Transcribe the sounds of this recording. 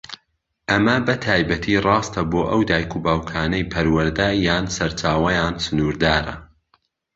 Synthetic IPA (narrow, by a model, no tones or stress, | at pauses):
ʔɐmɐbɐt̪ʰaːjbɐt̪ʰirˤɑːst̪ɐboːʔɐwd̪aːjkʰuːbaːwkʰaːnɐjpʰɐɾwɐɾd̪ɐjːaːnsɐɾt͡ʃaːwɐjaːnsɨnuːɾd̪aːɾɐ̰